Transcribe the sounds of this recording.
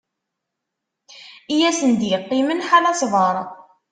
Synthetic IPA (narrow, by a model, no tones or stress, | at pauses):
ijæsənd̪jəqːimənħalæsvəɾˤ